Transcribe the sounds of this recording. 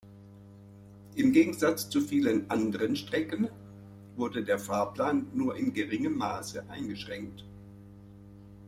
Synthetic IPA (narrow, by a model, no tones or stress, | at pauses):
ʔɪmɡeːɡŋ̩zat͡st͡sufiːlənʔandəʁənʃtʁ̥ɛkən | vʊɐdədeːɐfaɐpl̥aːnːuːɐɪnɡəʁɪŋəmːaːsəʔaɪnɡəʃʁ̥ɛŋk̚t